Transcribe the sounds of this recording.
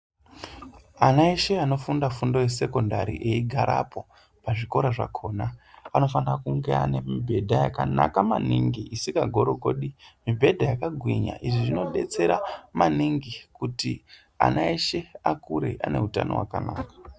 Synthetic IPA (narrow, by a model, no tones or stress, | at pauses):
anaeʃe̞ano̞fundafundo̞jese̞ko̞ndaɾḭʔeiɡʱaɾʔa̰pʰo̞ | paʐiko̞ɾaʐa̰kʰo̞ːnaano̞fanirakuŋɡe̞a̰ne̞mibʱe̞dʱajaka̰na̰kamaniŋɡiʔisikaɡʱo̞ɾoɡʱo̞ɗimibʱe̞dʱajakaɡʱwiɲa̰ʔiʐiʐino̞ɗe̞t͡se̞ɾamaniŋɡikuti | a̰naeʃe̞akuɾe̞ʔane̞̰ɦutano̞̰wa̰kanaːkḁ